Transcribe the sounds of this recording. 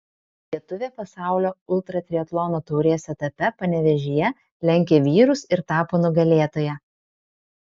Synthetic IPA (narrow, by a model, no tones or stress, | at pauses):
lʲiɛt̪ʊʋʲeːpɐsɑˑʊlʲoːʊlˠˑt̪ɾɐt̪ʲɾʲiɛt̪lˠɔnoːt̪uːɾʲejɛsɛt̪ɐpʲɛpɐnʲɛʋʲɛʒʲɪjɛ | lʲɛŋʲkʲeːʋʲiːɾʊsɪɾt̪ɑːpoːnʊɡɐlʲeːt̪oːjɛ